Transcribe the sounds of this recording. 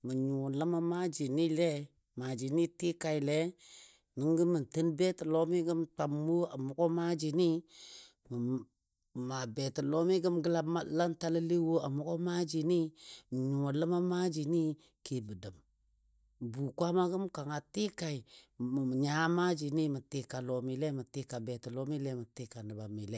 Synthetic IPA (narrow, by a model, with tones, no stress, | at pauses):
mə˨ɲu˨lə˦ma˦ma˦d͡ʒi˨ni˦le˦ | ma˨d͡ʒi˨ni˦ti˦ka˨i˨le˦ | ni˨˦ŋɡə˦mə˨ntə˦nbe˦tə˨lo˦mi˦ɡə˦mta˨m˦wo˦a˨mu˦ko˦ma˦d͡ʒi˨ni˦ | m˨ | ma˨be˨tə˨lo˦mi˦ɡə˦mɡə˦la˦ma˦la˦nta˦lə˦li˦wo˦a˨mu˦ko˦ma˦d͡ʒi˨ni˦m˨ɲu˨o˨lə˦ma˦ma˦d͡ʒi˨ni˦ | ke˨bə˨də˨m˨ | bu˨kʷa˦ma˦ɡə˦mka˨ŋa˨ti˦ka˨i˨ | ɲa˨˦ma˦d͡ʒi˨ni˦mə˨te˨ka˨lo˨mi˨le˦mə˨ti˨ka˨be˨tə˨lo˦mi˦le˦mə˨ti˦ka˨nə˨ba˨mi˨le˦